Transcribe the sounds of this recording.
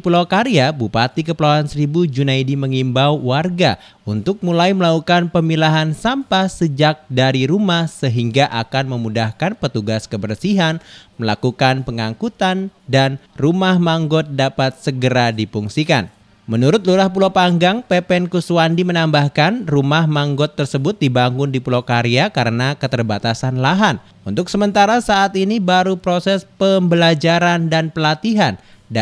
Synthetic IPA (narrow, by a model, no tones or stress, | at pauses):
pulawkaɾiabupat̪ikəpəlawansəɾibud͡ʒunaidiməŋimbawwarɡa | unt̪ʊk̚mulajməlaukanpəmilaɦansampasəd͡ʒak̚daɾiɾumahsəɦiŋɡaʔakanməmudahkanpət̪uɡaskəbərsiɦanməlakukanpəŋaŋkut̪andanrumahmaŋɡɔt̪̚dapat̪̚səɡəɾadipuŋsika̰n | mənuɾʊt̪̚luɾahpulapaŋɡaŋpepɛnkuswandimənambahkanrumahmaŋɡɔt̪ːərsəbʊt̪̚dibaŋʊndipulokaɾiakaɾənakət̪ərbat̪asanlaɦan | unt̪ʊksəmənt̪aɾasaʔːt̪inibaɾupɾosɛspəmbəlad͡ʒaɾandanpəlat̪iɦan | d